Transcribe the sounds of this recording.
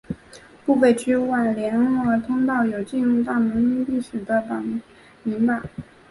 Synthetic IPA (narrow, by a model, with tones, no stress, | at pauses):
pu˥˧fe˥˩ɪt͡ɕʰy˥wa˥˩nljɛ˧˥n˥ə˞˧˥t̪ʰʊ˥ŋt̪ɑ˥˩ʊjo˨˩ʊt͡ɕi˥˧ɻu˥˧t̪a˥˩mə˧˥ŋi˥ŋli˥˩ʂ̩˨˩d̪ə˦pɑ˨˩ | mi˧˥ŋpa˨˩˦